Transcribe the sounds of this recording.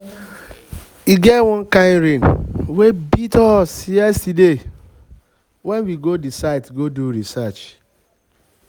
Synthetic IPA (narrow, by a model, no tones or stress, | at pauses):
iɡɛtwɔ̃n̩kaɾẽnwebitɔsiɛside | wɛnwiɡodisaɪtɡoduɾisat͡ʃ